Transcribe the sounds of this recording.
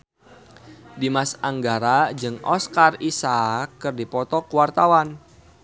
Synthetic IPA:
dimasaŋɡaɾad͡ʒɨŋɔskarisakːɨrdipɔt̪ɔkuwart̪awan

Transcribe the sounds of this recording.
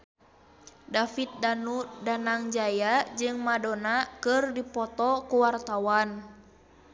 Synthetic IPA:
dafit̪̚danudanaŋd͡ʒajad͡ʒɨŋmadonakɨrdipɔt̪ɔkuwart̪awan

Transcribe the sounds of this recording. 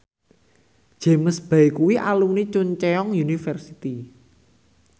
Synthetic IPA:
d̥ʒ̥e̤məsb̥a̤ikuwiʔalunit͡ʃʊɲt͡ʃeɔŋjunifɛrsit̪i

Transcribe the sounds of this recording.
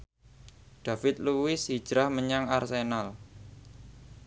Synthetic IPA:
ɖ̥afɪt̪̚luwɪsi̥ʒ̥ɾahməɲaŋarsenal

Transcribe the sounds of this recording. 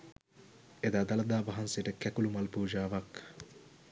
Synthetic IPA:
ed̪ad̪alɐd̪aːbaɦansejəʈəkɛkulumalpuːd͡ʒaːʋak

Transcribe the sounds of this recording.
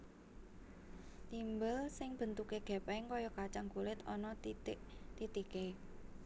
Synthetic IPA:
t̪imbəlsɪŋb̥ə̤nt̪ukeɡ̥ɛ̤pɛŋkɔjɔkat͡ʃaŋkulɪt̪ɔnɔ | t̪it̪ike

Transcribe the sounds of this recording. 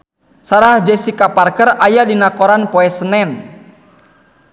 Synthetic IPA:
saɾahd͡ʒɛsikaparkərajadinakɔɾanpɔɛsənɛn

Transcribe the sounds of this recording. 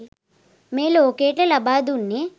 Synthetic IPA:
meːlookeːʈɐlɐbaːd̪unːe

